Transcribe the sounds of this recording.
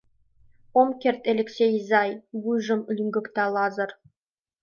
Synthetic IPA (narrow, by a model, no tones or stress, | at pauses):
omkʲert̪elʲeksʲejzɑjwujʐɤ̆mɘ̆lʲɘ̆ŋɡʲɵ̆kt̪ɑlˠɑzə̆r